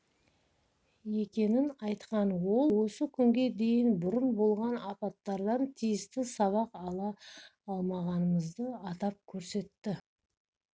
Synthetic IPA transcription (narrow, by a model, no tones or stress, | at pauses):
e̞kʲe̞nɪnɑjt̪qɑnwo̞lˠwo̞səkʲʰʏŋɡʲe̞d̪e̞jɪnbʊɾənbo̞lˠʁɑnɑpɑt̪ːɑɾd̪ɑnt̪ʰijɪst̪ɪsɑβɑqɑlˠɑːlˠmɑʁɑnəməzd̪əɑt̪ɑp̚kʲʰɵɾse̞t̪ːɪ